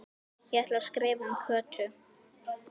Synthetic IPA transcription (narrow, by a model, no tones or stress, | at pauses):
jɛɛht̪laskɾɛːvʏmkʰœːt̪ʰʏ